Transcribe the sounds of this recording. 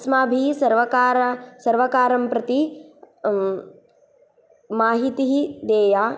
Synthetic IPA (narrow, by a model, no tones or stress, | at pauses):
smaːbʱisɐɾʋɐkaːɾasɐɾʋɐkaːɾɐmpɾɐt̪i | maːɦit̪iɦid̪eːjaː